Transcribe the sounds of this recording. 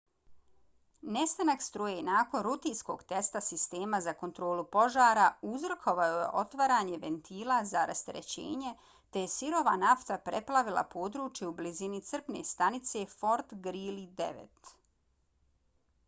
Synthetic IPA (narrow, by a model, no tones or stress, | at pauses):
ne̞st̪anakst̪ɾojenaːko̞nɾut̪iːnsko̞ːɡt̪e̞st̪asist̪e̞ːmazako̞nt̪ɾo̞ːlupo̞ʒaːɾauzr̩kʰo̞ʋajojḛʔo̞t̪ʋaɾaːɲe̞ʋe̞nt̪ʰiːlˠazaɾʔast̪eɾḛt͡ɕḛːɲe̞ | t̪ejesiɾo̞ʋanaft̪apɾeplˠaʋilˠa̰pʰo̞ːd̪ɾuːt͡ʃjeublizinit̪sr̩pne̞̰st̪anit̪se̞fo̞ɾt̪ɡɾiːlid̪ḛʋḛt̪